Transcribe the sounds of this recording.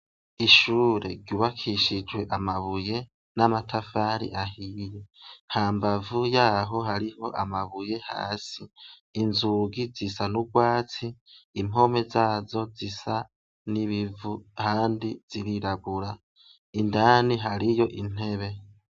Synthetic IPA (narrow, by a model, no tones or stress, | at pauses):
iʃuːɾe̞̰ɟuβakʰiʃid͡ʒwe̞ʔamaβuje̞ | namatʰafaɾḭʔahiːje̞haːmbavujaːɦo̞ɦaɾiho̞ʔamaβuje̞ha̰ːsiː | nzuːɡizisanuɡwaːt͡siːmo̞me̞zaːzo̞zisa | niβivuhaːndiz̥iɾiɾaɡuɾa | indaːniɦaɾijo̞ʔin̥e̞βe̞